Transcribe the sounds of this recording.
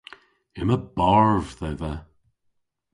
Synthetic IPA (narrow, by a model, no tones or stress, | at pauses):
ɪməbaɹvðɛðə